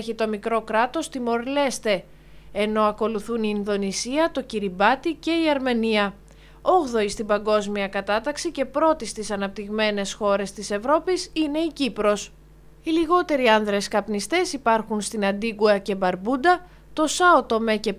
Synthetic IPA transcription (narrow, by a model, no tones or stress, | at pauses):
çit̪o̞mikɾo̞kɾɐt̪o̞st̪imo̞ɾle̞st̪e̞ | eno̞ɐko̞luθuniːnðo̞nisiɐt̪o̞ciɾibɐt̪ice̞iɐɾme̞niɐ | o̞ɣðo̞ist̪ibɐŋɡo̞zmiɐkɐt̪ɐt̪ɐksice̞pɾo̞t̪ist̪isɐnɐp̚t̪iɣme̞ne̞sxo̞ɾe̞st̪ise̞vɾo̞pisine̞icipɾo̞s | iliɣo̞t̪e̞ɾiɐnðɾe̞skɐpnist̪e̞sipɐɾxunst̪inɐnd̪iɡuɐce̞bɐɾbud̪ɐ | t̪o̞sɐot̪o̞me̞ce̞